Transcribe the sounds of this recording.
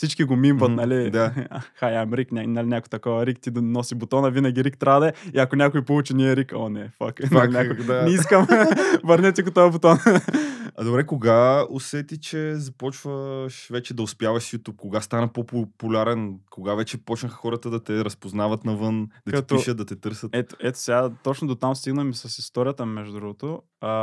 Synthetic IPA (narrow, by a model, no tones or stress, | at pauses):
fsit͡ʃkiɡomimbɐt̪nɐlid̪axajamɾiknʲanalinʲakot̪ɐkɔvɐɾikt̪id̪ɐnɔsibot̪ɔnɐvinɐɡʲiɾik̚t̪ɾad̪ɐɛiɐkonʲakʊipolˠut͡ʃiniɛɾikɔnɛfa̰knnʲak̪nɛiskəmvəɾnɛt̪ʲɛkot̪ɔɐbot̪ɔn | ɐd̪obɾɛkoɡaosɛt̪it͡ʃɛzɐpɔt͡ʃvəʃvɛt͡ʃɛd̪ɐʊspjavɐʃjut̪up̚koɡast̪anɐpopʊpʊlʲaɾɛnkoɡavɛt͡ʃɛpɔt͡ʃnəxxɔɾət̪əd̪ɐt̪ɛɾɐspoznavɐt̪nɐvɤnd̪ɐtk̪ɐip̪oʃəd̪d̪ɐt̪ɛt̪ɤɾsət̪ɛt̪o̥ʔɛt̪o̥sɛɡat̪ot͡ʃnʊd̪ot̪amst̪iɡnəmisɐsist̪ɔɾʲijət̪əmɛʒd̪ud̪ɾuɡot̪o | ɐ